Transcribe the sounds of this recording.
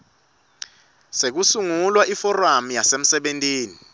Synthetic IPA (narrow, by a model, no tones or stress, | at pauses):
sek̬usuŋulwaʔifɔramjasem̩sɛɓentʼiːni